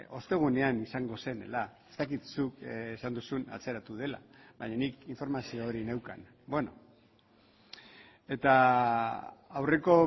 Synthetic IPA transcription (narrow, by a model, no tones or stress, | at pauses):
o̞st̪e̞ɣ̞une̞anisaŋɡo̞se̞ne̞̰laest̪akit̪sukesand̪usuna̰t͡se̞ɾat̪uð̞e̞la̰βaɲanikiɱfo̞ɾmasioːɾinewka̰n | bweno̞̰ | e̞t̪a | awre̞ko̞